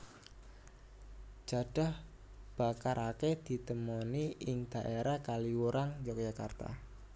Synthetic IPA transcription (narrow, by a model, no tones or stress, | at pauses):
d͡ʒ̥a̤ɖ̥a̤h | b̥a̤kaɾʔaked̪̥i̤t̪əmoniʔɪŋd̪̥a̤ʔeɾahkaliwuɾaŋd͡ʒak̚d͡ʒ̥akart̪a̰